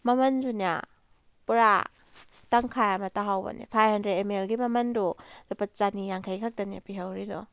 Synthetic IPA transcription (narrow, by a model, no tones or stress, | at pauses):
mɐmɐnzuna̰ | pɾa | taŋkʰajamɐtaɦawbɐ̰nḭpʰajhɐndɾetemelɡimɐmɐnduzapat̚t͡ʃanijaŋkʰajkʰak̚taniapiɦawɾidɔ